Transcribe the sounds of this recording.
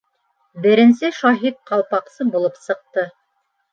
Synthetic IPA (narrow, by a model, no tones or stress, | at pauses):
bɘ̆ɾɘ̆nsɘʃɑɦit̪̚qɑlˠpɑqsɤbulˠɤpsɤ̆q̚t̪ɤ